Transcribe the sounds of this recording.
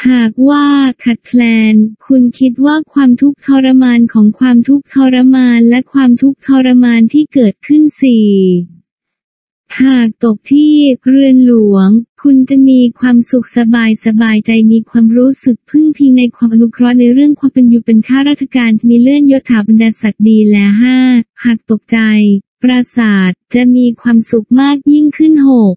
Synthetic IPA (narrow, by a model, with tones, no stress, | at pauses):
t̪ʰaː˨˩k̚waː˥˩kʰa˨˩t̪̚pʰlɛː˧nkʰu˧nkʰi˦˥t̪̚waː˥˩kʰwaː˧mt̪ʰu˦˥k̚t̪ʰɔː˧ɾa˧maː˧nkʰɔː˩˦ŋkʰwaː˧mt̪ʰu˦˥k̚t̪ʰɔː˧ɾa˦˥maː˧nlɛ˦˥kʰwaː˧mt̪ʰu˦˥k̚t̪ʰɔː˧ɾa˧maː˧nt̪ʰiː˥˩kɤː˨˩t̪̚kʰɯ˥˩nsiː˨˩ | t̪ʰaː˨˩k̚t̪o˨˩k̚t̪ʰiː˥˩kɾɯ˧ənlu˩˦əŋkʰu˧nt͡ɕa˨˩miː˧kʰwaː˧msu˨˩k̚sa˧baː˧jsa˧baː˧jt͡ɕa˧jmiː˧kʰwaː˧mɾuː˦˥sɯ˨˩k̚pʰɯ˥˩ŋpʰi˧ŋna˧jkʰwaː˧mʔa˧nu˦˥kʰɾɔ˦˥t̪̚na˧jɾɯ˥˩əŋkʰwaː˧mpe˧njuː˨˩pe˧nkʰaː˥˩ɾaː˦˥t̪̚t͡ɕʰa˧kaː˧nt̪ʰi˥miː˧lɯ˥˩ənjo˦˥t̪ʰːaː˩˦ba˧nda˧t̪̚sa˨˩k̚diː˧lɛː˦˥ɦaː˥˩haː˨˩k̚t̪o˨˩k̚t͡ɕa˧jpɾa˧saː˨˩t̪̚t͡ɕa˨˩miː˧kʰwaː˧msu˨˩k̚maː˥˩k̚ji˥˩ŋkʰɯ˥˩nho˨˩k̚